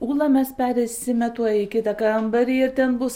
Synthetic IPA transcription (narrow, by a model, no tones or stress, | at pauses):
uːlˠɐmʲɛspʲæːɾʲɛɪsʲɪmʲɛt̪uɔjɪkʲɪt̪ɐkɐmbɐɾʲiːɪɾt̪ʲɛnbʊs